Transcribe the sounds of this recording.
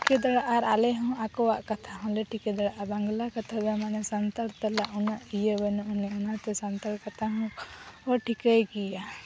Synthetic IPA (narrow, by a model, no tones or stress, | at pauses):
iked̪ɔɽaʔaɾalɛɦɔ̃akɔwaʔkat̪ʰaɦɔ̃lɛʈʰikɛd̪ɔɽaʔabaŋɡlakat̪ʰabɛmanɛsant̪aɾt̪alaʔunaʔijəbɛnɔʔnɛunat̪ɛsant̪aɽkat̪ʰaɦɔ̃ɔʈʰikəjɡija